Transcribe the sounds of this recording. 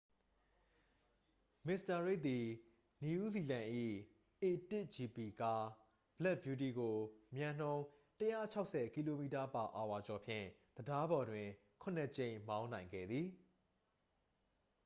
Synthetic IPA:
mɪ˨sta˨ɹe˦˨ʔt̪̚i˨ | ni˨u˦zi˨lã˨ʔḭ˦˨ | ʔe˨tɪ˦˨ʔd͡ʑi˨pi˨ka˦ | b̥lɛ˦ʔ̚bju˨t̬i˨ɡo˨mjã˨n̥õ˦ʊ̃təjä̰˦˨t͡ɕʰa˦ʊʔsɛ˨ki˦lo˨mi˦˨ta˨pa˨ʔa˨wa˨t͡ɕɔ˨pʰjɪ̰̃˦˨d̪̥əda˦bɔ˨dwɪ̃˨ | kʰʊ̃˨nɛ˨t͡ɕẽ˨ɪ̃mã˦ʊ̃nã˨ɪ̃ŋɡɛ̰˦˨d̪ði˨

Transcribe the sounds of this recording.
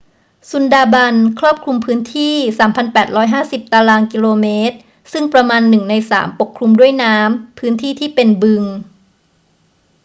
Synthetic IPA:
su˨˩˦ndaː˧ba˧nkʰɾɔː˥˩p̚kʰlu˧mpʰɯː˦˥nt̪ʰiː˥˩saː˩˦mpʰa˧npɛː˨˩t̪̚ɾɔː˦˥jɦaː˥˩si˨˩p̚t̪a˧laː˧nki˧loː˧meː˦˥t̪̚ | sɯ˥˩ŋpɾa˧maː˧nːɯ˨˩ŋna˧jsa̰ː˩˦mpo˨˩kʰlu˧mdu˥˩əjnaː˦˥mpʰɯː˦˥nt̪ʰiː˥˩t̪ʰiː˥˩pe˧nbɯ˧ŋ

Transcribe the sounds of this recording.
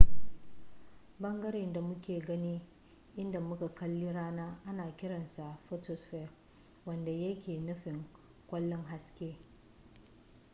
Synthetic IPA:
bɐ˦ŋɡɐ˦ɾe˨nda˨mʊ˦kʲeː˨ɡɐ˦niː˦ | ʔɪ˦nda˨mʊ˦ka˨kɐ˦lːiː˦ɽaː˦naː˦ʔa˦naː˨kʲɪ˦ɽɐ˨nsa˨ʔɸo˦to˨sɸɛ˦˨ | wɐ˦nda˨jɐ˦kʲeː˨nʊ˦ɸɪ˨ŋ | kʷɐ˦lːɔ˦ŋɦa˦skʲeː˦

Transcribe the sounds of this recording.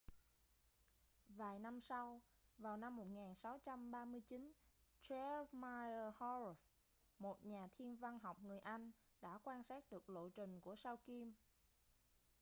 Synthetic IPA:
vaː˨˩jna˧msa˧wvaː˨˩wna˧mːo˨˩t̚ŋaː˨˩nsa˨˦wt͡ɕa˧mɓaː˧mɨ˧əjt͡ɕi˨˦nt͡ɕɛ˧˦ma˧jə˧hɔ˧s | mo˨˩t̚ɲaː˨˩t̪ʰi˧ənva˧nɦɔ˨˩wk͡p̚ŋɨ˨˩əjʔa˧jŋ̟ | ɗa̰ː˧˥kwaː˧nsaː˦˥k̚ɗɨ˨˩ək̚lo̰˧˨t͡ɕï˨˩ŋ̟ku˧˩əsaː˧wki˧m

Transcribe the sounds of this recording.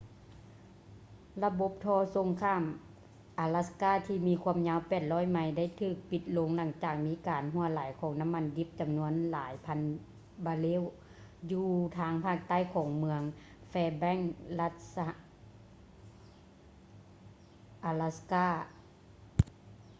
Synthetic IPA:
la˧bo˧˦p̚t̪ʰɔː˧˦so˧˦ŋkʰaː˧˥˨m | ʔa˨˧la˧skaː˧˥˩t̪ʰiː˧˩miː˧kʰu˧əmɲaː˧˥˨wpɛː˨˩t̪̚lɔː˧˥˩jma˧˩jda˧˥˩jt̪ʰɯː˧˩k̚pi˧t̪̚lo˧˥ŋla˧˩ŋt͡ɕaː˧˩k̚miː˧˥kaː˨˩nɦu˧˥ɐlaː˨˩˦jkʰɔː˨˦ŋna˧˥mːa˧˥˨ndi˧˥p̚t͡ɕa˨˩mnu˧˥ənlaː˨˦jpʰa˧˥n | baː˧leː˧˥˨w | juː˧t̪ʰaː˧˥ŋpʰaː˧˩k̚t̪a˥˨jkʰɔː˨˦ŋmɯ˧əŋ | fɛː˧bɛ˧˥˨ŋla˧t̪̚sa˧ | ʔaː˧la˧skaː˧˥˩

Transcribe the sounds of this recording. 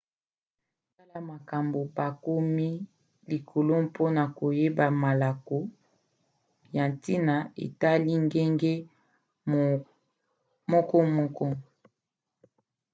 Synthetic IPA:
ta˦la˦ma˨ka˨mbo˨ba˨ko˦mi˦ | li˨kʰo˨lo˦mpʰo˦na˨ko˨je˦ba˨ma˨la˨ko˦ | ja˨nti˦na˨ḛ˨ta˦li˦ŋɡe˦ŋɡe˦ | mɔ˦kɔ˦mɔ˦kɔ˦

